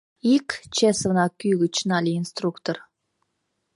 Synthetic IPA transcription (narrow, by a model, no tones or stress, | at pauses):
ikt͡ɕesəvnɑkyɣət͡ɕnɑlʲiinst̪rukt̪or